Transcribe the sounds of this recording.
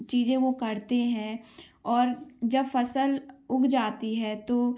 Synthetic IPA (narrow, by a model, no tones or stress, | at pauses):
t͡ʃiːzẽʋokɐɾt̪eɦɛ̃ː | ɔːɾd͡ʒɐbfɐsəlʊkʰd͡ʒaːt̪iɦɛt̪oː